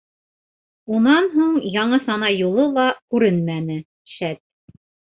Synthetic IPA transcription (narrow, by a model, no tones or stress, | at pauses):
unɑnɦuɴjɑɴɤsɑnɑjulˠɤlˠɑkʉɾɘnmænɘ | ʃæt̪̚